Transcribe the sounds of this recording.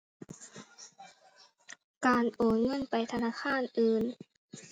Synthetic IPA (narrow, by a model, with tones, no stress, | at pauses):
kaː˨nʔoː˨˩nŋɤ˧˥˨npa˨jt̪ʰa˧naː˧˥˨xʰaː˧˥˨nʔɯː˨˧˩n